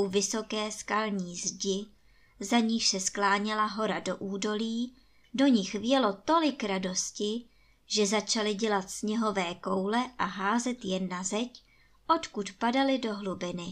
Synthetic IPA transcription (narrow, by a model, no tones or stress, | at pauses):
ʔuvɪso̞kɛːskalɲiːzɟɪ | zaɲiːʃsɛsklaːɲɛlaɦo̞ɾado̞ʔuːdo̞liː | do̞ɲɪxvjɛlo̞t̪o̞lɪkɾado̞scɪ | ʒ̥ɛzat͡ʃalɪɟɛlat̪sɲɛɦo̞vɛːko̞wlɛʔaɦaːzɛt̪jɛnːazɛc | ʔo̞t̪kut̪padalɪdo̞ɦlubɪnɪ